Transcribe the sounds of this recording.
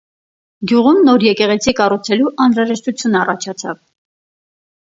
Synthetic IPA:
ɡjuʁumnɔɾjɛkɛʁɛt͡sʰikɑrut͡sʰɛluʔɑnɾɑʒɛʃt̪ut͡sʰjunɑrɑt͡ʃʰɑt͡sʰɑ̰v

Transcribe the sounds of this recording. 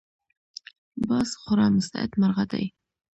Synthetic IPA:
bɑsχʊɾɑmʊst̪a̰ɪ̰d̪maɾʁad̪a̰j

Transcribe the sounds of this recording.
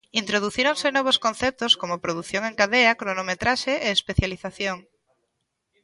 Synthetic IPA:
int̪ɾoð̞uθiɾoŋsɪnɔβ̞oskonθɛp̚t̪oskomopɾoðuθjoŋeŋkaðeakɾonomet̪ɾaʃeʔeːspeθjaliθaθjoŋ

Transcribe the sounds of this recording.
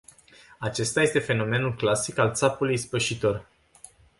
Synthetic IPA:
at͡ʃe̞st̪aje̞st̪e̞fe̞no̞me̞nulklasikalt̪sapulujspəʃit̪o̞r

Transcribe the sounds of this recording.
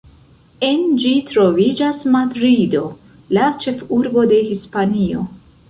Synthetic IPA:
e̞nd͡ʒitɾo̞vid͡ʒasmadɾido̞ | lat͡ʃe̞fuɾbo̞de̞hispanio̞̰

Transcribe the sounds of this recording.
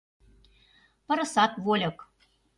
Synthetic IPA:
pɤ̆ɾɤ̆sɑt̪volʲɤ̆k

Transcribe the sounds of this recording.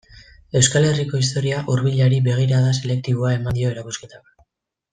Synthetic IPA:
e̞wskale̞riko̞ist̪o̞ɾiaʔuɾβiʎaɾibe̞ɣ̞iɾaðase̞le̞k̚t̪iβ̞oae̞mand̪io̞eɾakuske̞t̪ak

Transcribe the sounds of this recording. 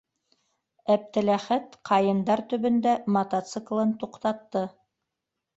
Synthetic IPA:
æp̚t̪ɘ̆læχæt̪qʰɑjɤ̆nd̪ɑɾt̪ɵ̆βɵ̆nd̪æmɐt̪ɑt̪sɨklˠɤnt̪uqt̪ɑt̪ːɤ

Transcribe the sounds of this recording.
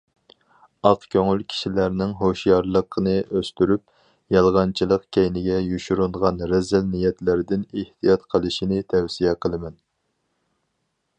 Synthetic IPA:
ɑqkʲʰøŋylkʲʰi̥ʃilæɾnɪŋɦoʃjɑɾlˠəqʰənɨøst̪yɾyp̚ | jɑlˠʁɑnt͡ʃʰilˠəqkʲʰɛjnɪɡʲɛjuʃuɾuɴʁɑnɾɛzælnijɛt̪læɾɪd̪ɪneht̪ʰijɑt̪qʰəlˠɨʃinɪt̪ʰɛwsijɛqʰəlˠɨmɛn

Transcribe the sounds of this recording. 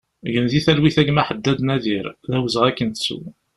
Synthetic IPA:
ʝənðiθælwiθæɡmæħəd̪ːæd̪næðiɾðæwəzəʁækːənt̪sṵ

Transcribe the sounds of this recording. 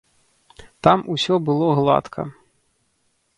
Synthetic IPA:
t̪amusʲɔbɨlˠɔɣlˠa̰t̪kʰɐ̰

